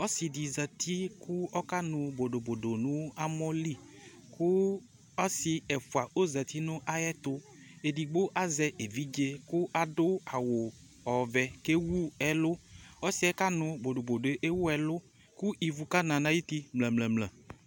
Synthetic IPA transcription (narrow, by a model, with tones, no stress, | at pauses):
ɔ˦si˨di˨zɛ˨t̪ʰi˦ku˦ɔ˦ka˦nʊ̃˨bo˨do˨bo˨do˨nʊ̃˦a˦mɔ˦li˦ | ku˦ | ɔ˦si˨ɛ˨fu˨a˨o˦zɛ˨t̪i˦nʊ̃˦ʔa˨jɛ˦t̪ʊ˦ | e˨di˨ɡ͡bo˦ʔa˨zɛ˨e˨vi˦d͡ʒe˦kʊ˦a˨dʊ˦a˨wo˨ | ɔ˨vɛ˨ke˦wu˦ɛ˨lʊ˦ɔ˦si˨˦ɛ˦ka˦nʊ̃˨bo˨ɖo˨bo˨do˨e˨˦ʔe˦wu˦ɛ˨lʊ˦ | ku˦ʔi˨vu˨ka˦nã˨nã˨ji˦t̪i˦mlɛ̃˨mlɛ̃˨mlɛ̃˨